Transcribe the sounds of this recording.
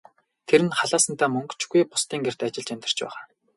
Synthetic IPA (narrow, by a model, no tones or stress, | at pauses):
t̪ʰeɾɘ̆nχaɮaːsə̆nt̪ʰaːmɵŋkt͡ɕɡujpʊst̪iːŋɡer̥t̪at͡ɕɪ̆ɮt͡ɕæmʲt̪ɪ̆r̥t͡ɕpæ̰ːʁaː